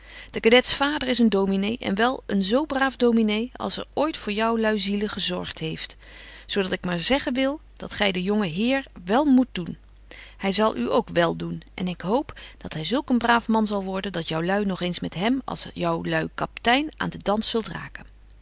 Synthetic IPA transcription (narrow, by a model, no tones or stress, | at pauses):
d̥əkadɛtsfaːdəɹɪsəndowminejʔɛ̰nʋɛlˠənzowbraːfdowminejɑ̰lˠsɛ̰ɹoːjtfʊːɹjɒwlœɥziləχəzɔ̰ɹχtɦejft | sowdɑtɪkmaːɹzɛχənʋɪlˠ | d̥ɑ̰tχɛjdəjoŋəɦɪːɹʋɛlˠmut̚dun | hɛjzɑlˠʔyo̰wkʋɛlˠdunʔɛ̰nɪkɦowpd̥ɑtɦɛjzɵlˠkənbraːfmɑnzɑlˠʋɔɹdəndɑtjɔwlœɥnɔχejnsmɛtɦɛmɑ̰lˠsjʌwlœɥkɑptɛjna̰ːndədɑnsɵlˠtra̰ːkən